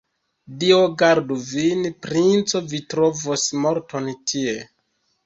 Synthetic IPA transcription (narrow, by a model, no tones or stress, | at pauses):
dioɡaɾduvinpɾint͡so̞vitɾo̞vosmoɾtʰontʰie